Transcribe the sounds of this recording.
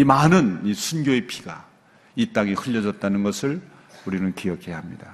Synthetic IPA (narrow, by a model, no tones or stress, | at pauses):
imanɯnisʰunɡjoe̞pʰi̥ɡ̥a | it͈aŋihɯʎːʌd͡ʑʌt̚t͈anɯnɡʌsʰɯɭ | uɾinɯnkijʌkʰe̞jaɦamɲid̥a